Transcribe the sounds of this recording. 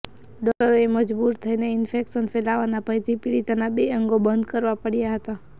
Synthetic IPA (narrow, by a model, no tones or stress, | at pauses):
ɖɔləɾeməd͡ʒbuɾt̪ʰəineɪnfekʃənfelaʋanapəjt̪ʰipiɽit̪anabeəŋɡobənd̪kəɾʋapəɽijaɦət̪a